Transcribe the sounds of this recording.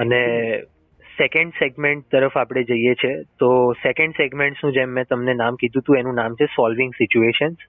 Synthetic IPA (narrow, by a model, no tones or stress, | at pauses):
əne | sekəɳɖseɡmeɳʈ̚t̪əɾəfapɽ̃ed͡ʒəijet͡ʃʰet̪osekẽɳɖseɡmẽɳʈsũd͡ʒemːɛ̃t̪əmnenamkid̪ʱũt̪ũenũnamt͡ʃʰesɔlʋɪ̃ŋɡsit͡ʃueʃəns